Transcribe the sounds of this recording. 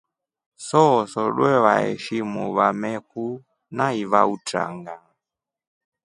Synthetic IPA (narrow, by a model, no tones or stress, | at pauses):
sɔsɔɗwɛβaɛ̰ʃimuβamɛku | naiβauta̰ŋɡa